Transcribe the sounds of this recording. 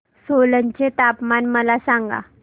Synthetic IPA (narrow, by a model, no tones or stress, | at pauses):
solənt͡ɕet̪apmanməlasãŋɡa̰